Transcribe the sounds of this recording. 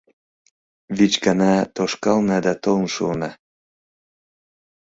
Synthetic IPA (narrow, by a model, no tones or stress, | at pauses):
vit͡ɕɡɑnɑt̪oʃkɑlnɑd̪ɑt̪olnʃunɑ